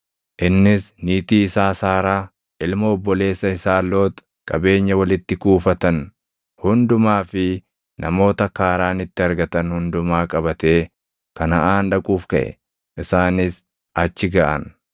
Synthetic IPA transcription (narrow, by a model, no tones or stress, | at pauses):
ʔɪnːɪsniːt̪iːsaːsaːɾaː | ʔɪlmoːbːɔle̞ːsːɐɪsaːlːo̞ːt̪ | kʼɐbe̞ːɲːɐwɐlɪt̪ːɪkuːfɐt̪ɐn | hʊnd̪ʊmaːfɪ | nʔɐmo̞ːt̪ɐkaːɾaːnɪt̪ːɪɐɾɡɐt̪ɐnhʊnd̪ʊmaːkʼɐbɐt̪e̞ː | kɐnɐʔaːnᶑɐkʼuːfkɐ̰ʔɛ̰ | ʔɪsaːnɪs | ɐt͡ʃːɪɡɐʔɐ̰n